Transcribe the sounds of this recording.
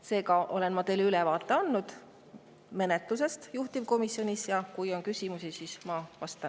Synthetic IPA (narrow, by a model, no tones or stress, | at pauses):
se̞ːkɑʔo̞le̞nmɑt̪e̞lylɛvɑːt̪ːˑe̞ɑnːud̪̥ | me̞net̪luse̞st̪juht̪iv̥ko̞misːio̞nʲisjɑkujo̞nkysʲimusisismɑvɑst̪ɑn